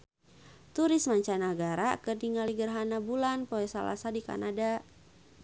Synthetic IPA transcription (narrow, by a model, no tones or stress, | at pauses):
t̪uɾɪsmaɲt͡ʃanaɡaɾakərdiŋaliɡərɦanabulanpoɛsa̰la̰sadika̰nada